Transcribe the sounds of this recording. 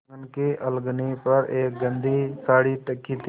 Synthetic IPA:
ənkeʔəlɡnipəɾeːk̚ɡə̃nd̪ʱisaːɽiːʈəkːiːt̪ʰ

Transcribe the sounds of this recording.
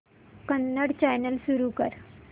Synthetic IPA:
kənːəɽt͡ɕajnəlsuɾukə̰ɾ

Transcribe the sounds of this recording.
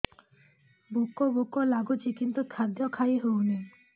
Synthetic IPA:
bokobukolaɡut͡ʃikint̪ukʰad̪jɔkʰaiɦowni

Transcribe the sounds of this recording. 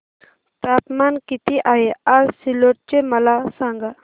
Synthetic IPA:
t̪aːpmankit̪iʔaːjeaɾsiloʈ̚t͡ʃemɐlasaŋɡa

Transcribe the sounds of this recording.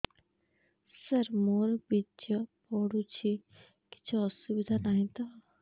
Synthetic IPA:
sɐɾmoːɾbit͡ʃɐpoːɽut͡ʃʰi | ki̥t͡ʃʰasubid̪ʱanaːɦĩt̪a

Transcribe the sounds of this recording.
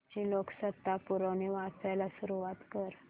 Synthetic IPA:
d͡ʑiloksət̪ːapuɾəneʋat͡sajlasuɾuʋat̪kəɾ

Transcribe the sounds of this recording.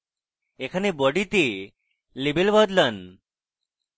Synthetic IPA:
ekʰanebɔɖit̪e | libelbɔd̪lən

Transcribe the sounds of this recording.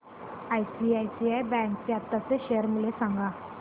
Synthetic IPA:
ajsiajsiajbɛ̃ŋkt͡ɕjat̪ːaseɕejəɾmilesãŋɡã

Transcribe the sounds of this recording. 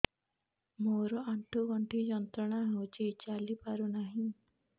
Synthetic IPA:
moɾɔʔaɳʈubɔɳʈid͡ʒɔnt̪ɾɔɽ̃aɦewt͡ʃʰit͡ʃalipaɾunaɦĩ

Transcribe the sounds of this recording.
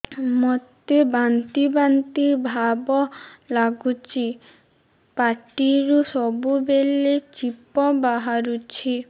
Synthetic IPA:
mɔt̪ebant̪ibant̪iɾbʱabɔlaɡut͡ʃʰi | paʈiɾusɔbubelet͡ɕipɔbaɦaɾut͡ɕʰi

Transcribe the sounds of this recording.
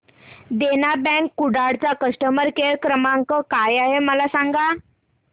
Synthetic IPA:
d̪enabɛ̃kːuɽaɽt͡sakəsʈəməɾkeɭkɾəmaŋkəkajaɦeməlasaŋɡa

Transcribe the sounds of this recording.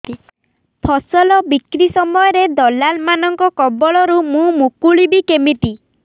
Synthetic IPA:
pʰɔsɔlɔbikɾisɔmɔjɔɾed̪ɔlalmanɔŋkɔkɔbɔɭɔɾumũmukuɭibikemiʈi

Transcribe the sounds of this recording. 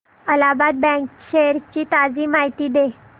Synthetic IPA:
əlabad̪̚bɛ̃kɕeɾt͡ɕiːt̪ad͡ziːmaɦit̪iːd̪e

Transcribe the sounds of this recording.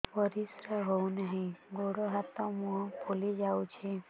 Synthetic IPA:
pəɾisɾəɦounaɦĩɡoɽoɦat̪ɔ̃muɦpolid͡ʒaut͡ʃʰe

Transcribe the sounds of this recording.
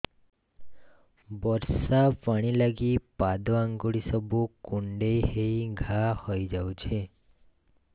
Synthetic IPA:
bɔɾsapaɽ̃ilaɡipad̪oãŋɡoɭisəbʱukuɳɖeɦeiɡʱahɔjd͡ʒaũt͡ʃʰe

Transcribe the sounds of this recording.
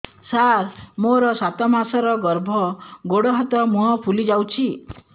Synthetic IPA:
saɾmoɾɔsat̪ɔmasɔɾɔɡɔɾbʱɔɡoɽɔɦɔt̪ɔmuɦɔpʰulid͡ʒawt͡ʃʰi

